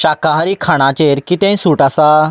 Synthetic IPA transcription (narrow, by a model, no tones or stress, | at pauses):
ɕakaɦaɾiːkʰaɽ̃ãt͡ɕeɾkit̪ɛ̃jsuʈasa